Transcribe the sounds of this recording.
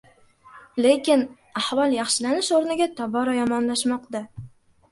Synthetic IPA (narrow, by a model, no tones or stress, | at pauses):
le̞kʲɪn | ahvɒlˠjɑχʃɪlanɪʃoɾnɪɡʲat̪ʰɒbɒɾɒjɒmɒnlaʃmɒqt̪a